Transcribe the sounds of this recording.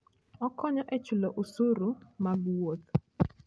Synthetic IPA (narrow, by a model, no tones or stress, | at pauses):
ɔkɔɲɔʔɛt͡ʃʊlɔʔosoɾomaɡwot̪̚